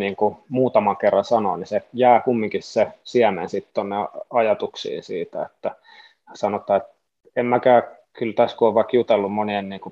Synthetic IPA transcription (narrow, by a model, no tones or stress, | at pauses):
niːŋkumuːt̪ɑmɑŋkerːɑnsɑnoːnisejæːkumːiŋkissesiæmḛnsit̪t̪onːeɑjɑt̪uksḭːnsḭːt̪æ̰ḛt̪ːæ | sɑnot̪ɑːet̪ | emmækæː | kylt̪æskuoʋʋɑkjut̪elːummonienniːŋku